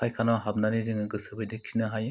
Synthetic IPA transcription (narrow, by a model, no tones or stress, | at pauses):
ajkʰanaɦab̚nanezɯŋɯɡɯsɯbɯjdɯkʰinɯɦaj